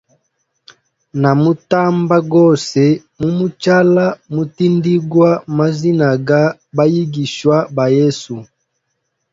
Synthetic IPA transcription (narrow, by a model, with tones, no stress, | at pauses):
na˨mu˦ta˦mba˦ɡɔ˦˨sɛ˨ | mu˦mu˦t͡ʃa˦la˦mu˨ti˦ndi˦ɡwa˦ma˦zi˦na˨ɡa˦ba˦ji˦ɡi˨ʃwa˦ba˨jɛ˦su˨